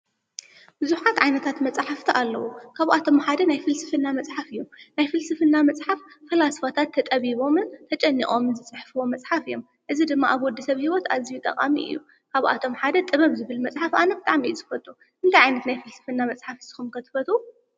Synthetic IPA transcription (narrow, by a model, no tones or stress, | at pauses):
bɨzuħat̪ʕajnɐt̪ʰat̪mɐt͡sʼħaft̪ʰiʔalːɐwukʰaβʔat̪ʰo̞mħad̪ɐnajfɨlsɨfɨnːamɐt͡sʼħafɨjːunajfɨlsɨfɨnːamɐt͡sʼħafːɐlasfot̪ʰat̪ʰːɐt̪ʼɐβiβo̞mɨnt̪ʰɐt͡ʃʼɐnːḭxʼo̞mɨnzɨt͡sʼɨħfɨwo̞mɐt͡sʼħafɨjːo̞m | ʔɨzid̪ɨmːaʔaβwɔd̪ːɐsɐβhiwot̪azijut̪ʼɐ̰kʼa̰miʔɨ̰jːu | kʰaβʔa̰t̪ʰo̞mħad̪ɐt̪ʼɨβɐβzɨβɨlmɐt͡sʼħafanɐbɨt̪ʼaʕmijuzɨfɐt̪ʼu | ʔɨnt̪ʰajʕajnɐt̪najfɨlsɨ̥fɨnːamɐt͡sʼħafɨsɨ̥xumkʰɐt̪ʰɨ̥fɐt̪ʼu